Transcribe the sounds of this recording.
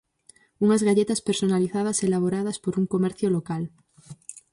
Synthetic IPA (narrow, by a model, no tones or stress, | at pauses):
uŋazɣaʎet̪aspeɾsonaliθað̞ɐselaβ̞oɾað̞ɐspoɾuŋkomɛɾθjolokal